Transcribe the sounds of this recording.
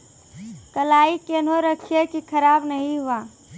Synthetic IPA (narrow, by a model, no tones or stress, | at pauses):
kəlaːikenoɾəkʰijekikʰəɾaːbnəɦĩɦʊaː